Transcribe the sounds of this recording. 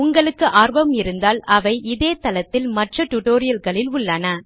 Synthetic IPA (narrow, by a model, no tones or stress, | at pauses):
ʊŋɡɐɭɯkːɯʔaːɾbɐmɪɾɯnd̪aːlɐʋɐɪʔɪðeːt̪ɐlɐt̪ːɪlmɐʈrɐʈʊʈoːɾɪjɐlɣɐɭɪlʊɭːɐnɐ